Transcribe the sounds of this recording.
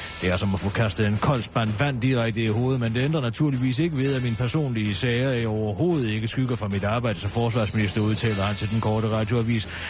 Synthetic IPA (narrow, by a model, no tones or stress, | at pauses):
eæɐsɒ̽mɒfɔ̽ːkʰæsd̥ð̩ˠenkʰɒ̽l̰sb̥æn̰ʋæn̰d̥iʁaɡ̥̚d̥əiho̝ːð̞̩ˠmend̥eend̥ʁɐnæt͡sʰuɐ̰liʋḭːs̬e̝ɡ̥əʋe̝ð̞ˠæminəpʰæɐso̝̰ːnliəsɛɪɐɒʊɐho̝ːð̞̩ˠe̝ɡ̥əsɡ̥yɡ̥ɐfʁɑ̈mid̥ɑ̈ːb̥ɑ̈ɪ̰d̥əsɒ̽mfɒːsʋɑ̈sminisd̥ɐuð̞ˠt͡sʰɛ̰ːlɐhænt͡sʰe̝ld̥enkʰɒːɾ̥əʁɑ̈d̥joæʋḭːs